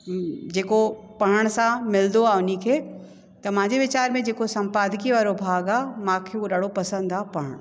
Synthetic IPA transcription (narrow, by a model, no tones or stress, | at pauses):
d͡ʑeːkopɐɦəɽ̃sãmɪld̪oaːʊnikʰeː | t̪ɐm̤ãːɲd͡ʑeʋɪt͡ɕaːɾmẽd͡ʑeːkosɐ̃mpaːd̪ʱkiʋaːɾobʱaːɡaːmãkʰeuɗɐɽopɐsə̃nd̪aːpɐɦəɽ̃